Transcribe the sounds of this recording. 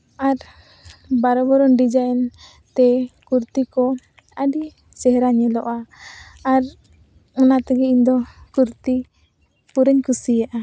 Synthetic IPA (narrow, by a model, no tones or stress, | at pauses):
aɾ | baɾɔbɔɾɔnɖid͡ʒajɛn | t̪ɛkuɾt̪ikɔ | aɖi | sɛɦɾaɲɛlɔʔaː | ɾ | ɔnat̪ɛɡɛind̪ɔkuɾt̪i | puɾɛɲkusijaʔa